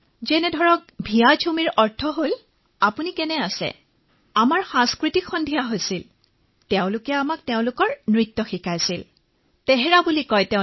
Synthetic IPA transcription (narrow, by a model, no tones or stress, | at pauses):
zɛnɛdʱɔɹɔk̚bʱijad͡ʒʰumiɹɔɹtʰɔɦol | apunikɛnɛasɛ̰ | amaɹxãŋskɹitikxɔndʱijaɦojsil | teʊ̃lʊkɛamak̚teʊ̃lʊkɔɹnɹitːɔxikʰajsil | tɛɦɛɹabulikɔjteʊ̃